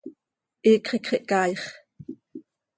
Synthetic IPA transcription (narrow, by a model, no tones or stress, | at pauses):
ʔiːkχikχiʔkɑːjχ